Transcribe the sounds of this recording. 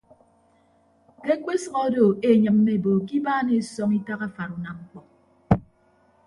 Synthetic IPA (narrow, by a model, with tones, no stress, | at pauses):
ke˦kʷe˦sʌ˨ɣɔ˦do˨e˨ɲɨ˨m̩ː˦e˨bo˨ki˦baː˦ne˨sɔ˦ŋi˦ta˦ɣa˦fa˨ɾu˨na˨mŋ͡m̩˦k͡pɔ˨k̚